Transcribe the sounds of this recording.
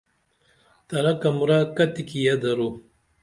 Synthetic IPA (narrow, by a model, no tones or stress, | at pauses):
t̪ɐɾakɐmuɾakɐt̪ikijad̪ɐɾu